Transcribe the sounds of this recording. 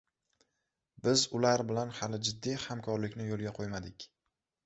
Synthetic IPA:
bɪzʊlaɾbɪlanhalɪd͡ʒɪd̪ːihamkʰɒɾlɪkʲnɪjolˠɡʲaqʰojmad̪ɪkʲ

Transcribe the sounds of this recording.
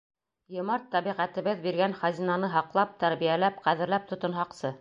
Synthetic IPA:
jŏmɑɾt̪ːɑβiʁæt̪ɘ̆βɘðbiɾɡænχæzinɑnɤɦɑqlˠɑp̚t̪æɾβijælæpqæðɘ̆ɾlæp̚t̪ŏt̪ŏnɦɑqsɤ

